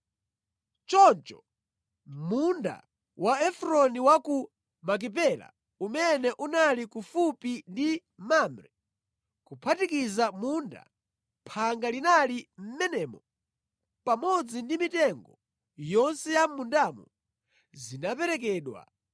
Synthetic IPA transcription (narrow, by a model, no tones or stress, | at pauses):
t͡ʃɔnt͡ʃɔ | munda̰ | waɛfɾɔniwaku | mak̬ip̬ɛla̰ | umɛnɛʔunalikufupindi | mamɾɛ | kupʰatikizamuːnda̰ | pʰaŋɡalinalim̩mɛnɛːmɔ | pamɔd͡zindimitɛŋɡɔ | jɔnsɛjamundaːmṵ | zinapɛɾɛkɛːɗwa̰